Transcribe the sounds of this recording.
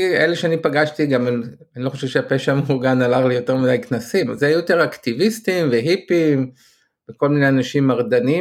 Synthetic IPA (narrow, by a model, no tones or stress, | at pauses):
eleʃeanipaɡaʃtiɡamnanilo̞χoʃevʃeapeʃaːmuɡanalaχlijo̞teʁmid̪ajknasimazeajut̪eʁakt̪ivist̪imveɦipim | beko̞lmineanaʃimaʁd̪ani